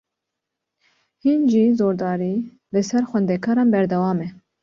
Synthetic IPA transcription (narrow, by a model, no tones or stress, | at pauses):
hinʒiːzoːɾd̪ɑːɾiː | lɨsɛɾxʷwɛnd̪ɛkʰɑːɾɑːnbɛɾd̪ɛwɑːmɛ